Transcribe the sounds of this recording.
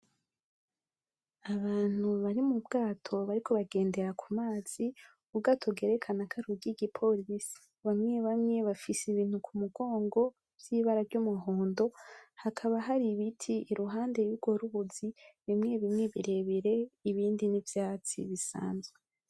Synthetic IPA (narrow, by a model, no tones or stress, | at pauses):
aβaːn̥huβaɾimubɡaːtʰo̞βaɾikʰo̞βaɡe̞ːnde̞ɾakʰumaːz̥i | ubɡaːtʰobɡe̞ːɾe̞kʰanakʰaɾuɡiɡipʰo̞lisi̥ | βamŋe̞βamŋe̞βafisiβiːn̥hukʰumuɡ̥o̞ːŋɡo̞ | v̥jiβaɾaɾɟumuɦoːndo̞hakʰaβaɦaɾiβitʰiːɾuɦaːnde̞juɡo̞ɾuβuziβimŋe̞βimŋe̞βiɾe̞βiɾe̞iβiːndinivjaːt͡sḭβisa̰ːnzɡwe